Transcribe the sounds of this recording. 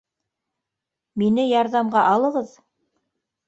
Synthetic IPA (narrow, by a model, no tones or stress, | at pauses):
minɘjɑɾðɑmɢɑʔɑlˠɤ̆ʁɤð